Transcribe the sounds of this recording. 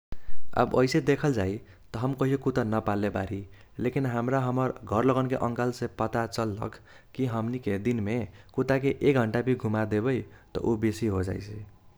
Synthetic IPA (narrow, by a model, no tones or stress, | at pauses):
a̰bʌjsed̪ekʰʌld͡zaj | t̪ʌɦʌmkʌɦijokut̪anʌpalːebaɾi | lekinɦamɾaɦʌmʌɾɡʱʌɾlʌɡʌnkeʔʌŋkalsẽpʌt̪at͡sʌlːʌ̰kʰ | kiɦʌmniked̪inmekut̪ak̬eʔek̚ɡʱʌɳʈabʱiɡʱumad̪ebʌjt̪ʌ̰ʔobesiɦod͡za̰jt͡sʰi